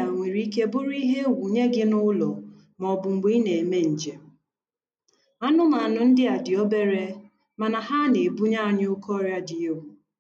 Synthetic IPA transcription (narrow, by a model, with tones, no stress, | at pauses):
a˨ŋʷe˨ɾi˦i˦k̬e˦bʊ˦ɾi˦ɦe˦wu˨ɲe˦ɡɪ˦nʊ˦lɔ˨ | mɔ˨bʊ˨ŋ͡m̩˨ɡ͡be˦i˦ne˨e˨me˦n̩˨d͡ʒe˨ | a˦nʊ˦ma˨nʊ˨n̩˦dɪ˦a˨dɪ˨ɔ˦be˦ɾe˦ | ma˨na˨ɦa˦ne˨bu˦ɲa˦˨ɲ˦ʊ˦kʰɔ˦ɾja˦dɪ˨o˦wu˨